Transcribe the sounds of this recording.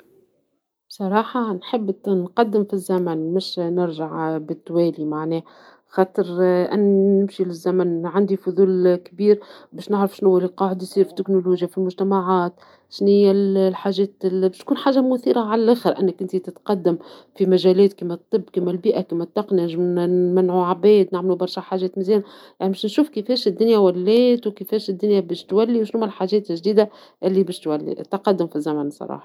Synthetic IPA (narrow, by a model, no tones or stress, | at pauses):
bsˤɑɾˤɑːħɑnħəbːnqɑd̪ːɪmfizːæmænmɪʃnɪɾʒaʕbɪt̪ːwɛːlimaʕnɛː | xɑːt̪ˤɨɾʔɪ̰nːnːɪmʃilɪzːæmænʕand̪ifʊðˤuːlkbiːɾbɛːʃnɪʕɾɪfʃnhʊwːællqɑːʕɪd̪jsˤiːɾfi̥t̪ːɪknoluːʒjafilmʊʒt̪æmaʕaːt̪ | ʃniællħaːʒɛːt̪bɛʃt̪̚kuːnħaːʒamʊθiːɾaʕalælʔæxəɾʔɪnːækʔɪnt̪it̪ɪt̪qɑd̪ːamfimæʒæːlɛːt̪kiːmæt̪ˤːɨbːkiːmælbiːʔækæmːæt̪ˤːɑqniʒmnmænʕuʕabɛːd̪nɪʕmlubɑɾˤʃaħaːʒɛːt̪mizɛːn | jaʕnibɛʃnʃuːfkəfɛːʃɪd̪ːʊnjawælːɛːt̪wkəfɛːʃɪd̪ːʊnjabɛːʃt̪wælːiwʃnhuːmælħaʒɛːt̪ɪlʒd̪iːd̪a | ʔɪlːibɛːʃt̪wælːḭt̪ːqɑd̪ːəmfizːæmænsˤɑ̰ɾˤɑ̰ːħɑ̥